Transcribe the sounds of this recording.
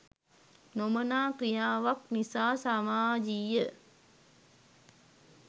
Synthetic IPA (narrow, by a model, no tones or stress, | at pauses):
nomənaːkɾijaːʋak̚nisaːsamaːd͡ʒijə